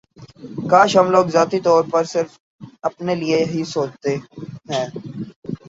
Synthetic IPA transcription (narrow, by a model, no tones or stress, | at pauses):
kaːʃɦɐmloːɡzaːt̪it̪ɔːɾpɐɾsɪɾf | ɐpnelieɦisoːt͡ʃt̪eɦɛ̃ː